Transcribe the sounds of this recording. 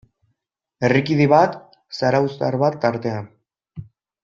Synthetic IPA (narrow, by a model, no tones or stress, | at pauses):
e̞rikiðiβat̪ | saɾawst̪aɾβat̪ːaɾt̪e̞an